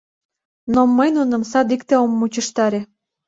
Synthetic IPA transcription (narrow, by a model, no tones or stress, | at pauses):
nomːəjnunə̆msɑd̪ikt̪eomːut͡ɕəʃt̪ɑɾe